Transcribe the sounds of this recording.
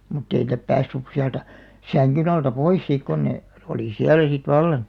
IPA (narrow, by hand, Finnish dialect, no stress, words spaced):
mutː ei nĭtæ pæːsːys siæltæ sæŋkyn ɑltɑ pois siˑk kon ne oliˑ siælæ sit ʋɑlːɑn̞